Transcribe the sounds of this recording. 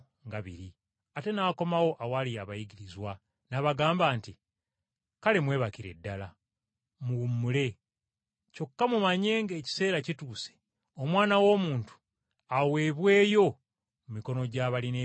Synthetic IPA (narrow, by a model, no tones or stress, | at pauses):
ŋɡaβḭɾi | ate̞nako̞mawo̞ʔawalijaβajiɡiɾizwa | naβaɡaːmbaːnti | kale̞mwe̞ːβakiɾe̞̰dːala | muumːule̞ | co̞kːamumaɲe̞ːŋɡe̞ːci̥se̞ːɾacituːse̥ | o̞mwaːnawo̞ːmuːntu̥ | awe̞ːβwe̞ːjo̞ | mumiko̞no̞ɟaːβaline